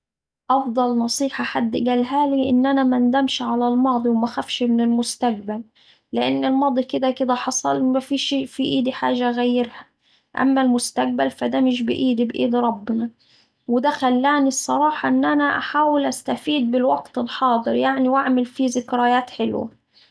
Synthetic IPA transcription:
ʔɑfd̪ˤɑlnɑsˤiːħɑħad̪ːɡalɦaːliʔɪnːʔanamand̪amʃʕalalmɑːd̪ˤiwmaxafʃmɪnɪlmʊst̪aq̚balː | ɪʔanːɪlmɑːd̪ˤikɪd̪ækɪd̪æħɑsˤɑlmafiːʃfiʔiːd̪iħa̰ːʒaɣajːɪɾha | ʔa̰mːalmʊst̪ak̚balfad̪amɪʃ̬bɪ̰ʔiːd̪ibʔḭːd̪ɾˤɑbːɪnɑ | wɪd̪axalːaːnisˤːɑɾˤɑːħɑʔɪnːʔanaʔaħaːwɪlʔast̪afiːd̪̚bɪlwaɡt̪ɪlħɑːd̪ˤɨɾjaʕniwʔaʕmɪlfizɪkɾajaːt̪ħɪlwa̰

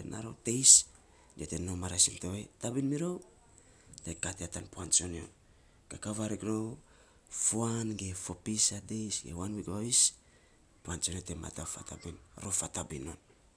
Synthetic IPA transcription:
enʔa̰ɾote̞js | d͡ʒetenomaɾasiltoetabinmiɾow | tekateatanpuant͡ʃonjo̰ | kakaβaɾikɾo | fuanɡe̞fo̞pisadejsɡḛwanwikβaβis | puant͡ʃonotema̰tafa̰ta̰binɾofatabino̞n

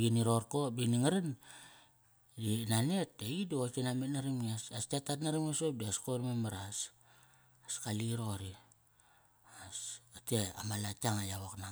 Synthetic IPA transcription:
ɡiniɾo̞ɾkobiniŋaɾen | dinaneteidokinametnaɾimiasastatatnaɾimasop̚diaskoɾmemaɾas | askaliɾo̞ɾi | asatea̰malataŋajaβokna

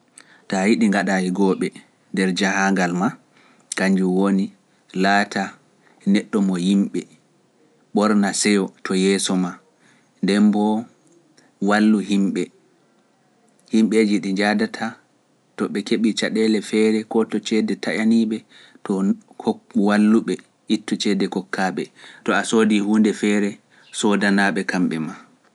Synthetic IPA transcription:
tajiɗiŋɡaɗajiɡɔɓɛ | ndɛɾd͡ʒahaŋɡalma | kaɲd͡ʒuwoni | laːtʰa | nɛɗːɔmɔjimɓɛ | ɓɔɾnasɛjɔtʰɔjɛːsɔma | ndɛmbɔ | walːuhimɓɛ | himɓed͡ʒiɗiɲd͡ʒadatʰa | tɔɓɛkeɓit͡ʃaɗɛlɛfɛɾɛkɔtɔt͡ʃɛdɛtaʔaniɓɛ | tɔhokːuwalːuɓɛ | itːɔt͡ʃɛdɛkɔkʰːaːɓɛtɔasoːdihuːndɛfɛːɾɛ | sɔdanaɓɛkamɓɛma

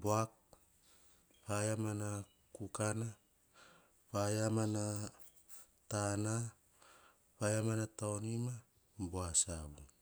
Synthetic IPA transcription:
boak̚ | pajamana | kukana | pajamana | tana | pajamanataonima | boasaβu

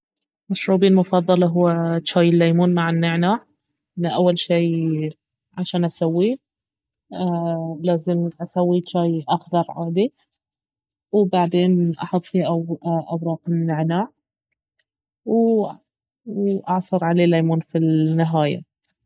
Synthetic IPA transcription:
maʃɾuːbiːlmʊfɑðˤːɑlɑɦʊːat͡ʃaːjɪlːaːjmuːnmaʕɪnːɪʕnaːʕ | ʔɪnːaʔawːalʃiː | ʕaʃaːnʔasawːi | laːzɪmʔasawːit͡ʃaːjʔaxðɑɾˤʕaːd̪i | wbaʕd̪eːnʔɑ̰ħʊt̪ˤːfiʔaʔawɾˤɑːqɪnːɪʕnaːʕ | w | ʔɑʕsˤɨɾˤʕaleːlajmuːnfilnːɪɦaːja̰

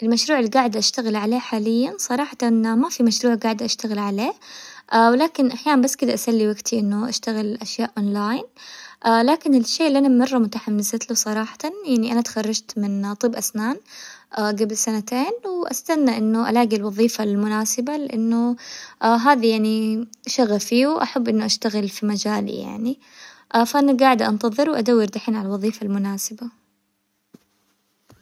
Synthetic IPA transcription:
ʔɪlmaʃɾuːʕɪlːiɡaːʕɪd̪ʔaʃt̪aɣɪlʕaleːħaːlɪjːansˤɑɾˤɑːħɑt̪anmafimaʃɾuːʕɡaːʕd̪ʔaʃt̪aɣɪlʕaleːʔawɪlaːkɪnʔaħjaːnanbasːkɪd̪aʔasalːiwaɡt̪ʰiʔɪnːʊʔaʃt̪aɣɪlʔaʃjaːʔʔoːnlaːjnʔalaːkɪnɪlʃːeːʔɪlːiʔanabmɑrˤːɑmʊt̪aħamnɪsat̪lusˤɑɾˤɑːħɑ̥t̪ɑnjaʕniʔanat̪xɑrˤːɑd͡ʒt̪mɪnt̪ˤɨːbʔasnaːnʔaɡabɪlsanat̪eːnwɪʔa̰st̪anːaʔɪnːʊʔalaːɡilwɑðˤiːfalmʊnaːsɪbalɪʔanːʊ | ɦaːðajaʕniʃaɣafiːuʔaħabːʔɪnːʊʔaʃt̪aɣɪlfimad͡ʒaːl̰ja̰ʕni | ʔfaʔanaɡaːʕɪd̪ʔa̰nt̪ɑðˤɨɾwʔad̪awːɑɾd̪aħiːnʕalalwɑðˤiːfalmʊnaːsɪba

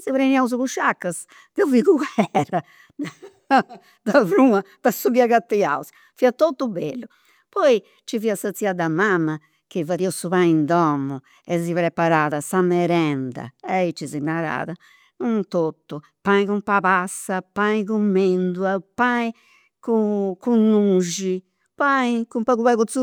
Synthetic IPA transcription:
siβɾeniauzukuʃakːas | d̪ɛuvikuɣɛra | d̪ | d̪avɾuapasːuβiaɣat̪ːia̰uzi̥ | fiːat̪ot̪ːubelːu | pɔi | t͡ʃiviːasat̪siad̪amamːa | kivaðiosuβaind̪ɔmːu | ɛzipɾɛpaɾaːðasamɛɾɛnd̪a̰ɛit͡ʃːizinaɾa̰ːða | unt̪ot̪ːu | paĩkumpapasːapaikumːend̪uapai | kukunːuʒi | paikumpaɣuβaɣut̪su

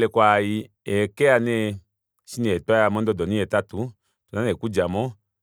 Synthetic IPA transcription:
lɛkʷaji | ɛkɛanɛ | sinɛɛtɔamɔndɔdɔniɛtatu | tunanekud͡ʒamɔ

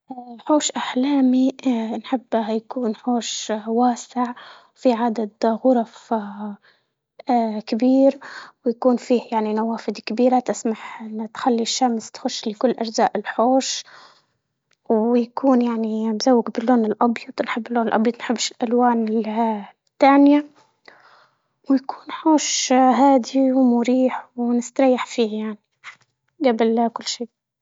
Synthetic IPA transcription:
ħoːʃʔaħlaːminħɪbːjakuːnħoːʃwaːsɪʕ | fiʕad̪ad̪ɣʊɾˤɑf | kɪbiːɾwjakuːnfiːhjaʕninawaːfɪd̪kɪbiːɾat̪ɪsmaħʔɪnːt̪xalːiʃːamst̪xʊʃːlɪkʊlːʔaʒzaːʔɪlħoːʃ | wjakʰuːnjaʕnibzawːɪɡbɪlːoːnɪlʔɑbjɑt̪ˤnħɪbːɪlːoːnɪlʔɑbjɑt̪ˤnħɪbːɪʃɪlʔalwaːnɪ | t̪ːaːnja | wjaku̥ːnħoːʃɦaːd̪iwmʊɾiːħwnɪst̪ɾˤɑjːaħfiːhjaʕni | ɡabɪlkʊlːʃiː

